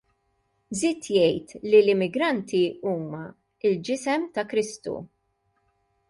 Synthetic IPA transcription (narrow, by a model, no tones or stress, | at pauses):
zɪːt̪jɛjt̪lilɪmːɪɡɾɐnt̪iuːmɐ | ɪld͡ʒɪsɛmt̪ɐkɾɪst̪ṵ